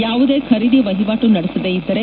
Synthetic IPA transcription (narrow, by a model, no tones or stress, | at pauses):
jaːʋud̪e̞ːkʰɐɾiɽiʋɐɦiʋaːʈunɐɽesɐʋeid̪ːɐɾe